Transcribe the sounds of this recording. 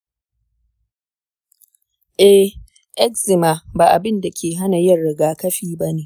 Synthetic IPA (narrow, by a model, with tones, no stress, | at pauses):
ʔɛ˦ | ʔɛ˦kzɪ˨ma˨baː˨ʔa˨bɪ˦nda˨kʲeː˨ɦa˦na˨jɐ˦rɽɪ˨ɡaː˦kɐ˦ɸiː˦ba˦neː˨ʔ